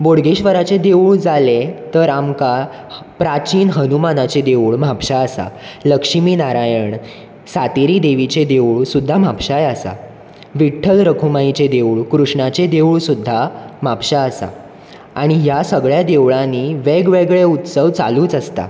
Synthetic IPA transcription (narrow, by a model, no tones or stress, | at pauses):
boɽɡeɕʋəɾat͡ɕed̪euɭd͡zalet̪əɾamkapɾat͡ɕiːnɦənumanat͡ɕed̪eʋɭm̤apɕaəsa̰ləkʂimiːnaɾajəɳ | sat̪eɾiːd̪eʋit͡ɕed̪euɭsud̪ʱːam̤ʱapɕajəsa̰ | ʋiʈʰːəlɾəkʰumait͡ɕed̪eʋɭkɾuʂɳat͡ɕed̪ewuɭsud̪ʱːamapɕaəsa̰ | aɽ̃ijasəɡɭjad̪eʋɭãniʋeɡʋeɡɭeut̪səʋt͡sa̰luːt͡səst̪a̰